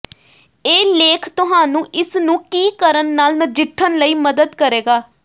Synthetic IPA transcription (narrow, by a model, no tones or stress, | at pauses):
eːleːkʰt̪ʊɦaːnũːʔɪsnũːkiːkəɾənːaːlnəd͡ʒɪʈʰːənləiːməd̪əd̪kəɾeːɡaː